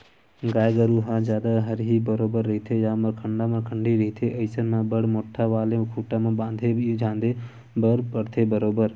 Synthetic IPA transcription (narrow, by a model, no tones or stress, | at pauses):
ɡaːjɡəɾuɦãd͡ʒjaːd̪aɦəɾɦibəɾoːbəɾːɐɦit̪ʰejãːmɐkʰəɳɖamãkʰəɳɖiɾəɦit̪ʰeʔəɪsənmãbəɽmoːʈʰːaʋaːlekʰuːʈãmãbãːnd̪ʱebd͡ʒʱãːnd̪e | bəɾpəɽt̪ʰebəɾoːbəɾ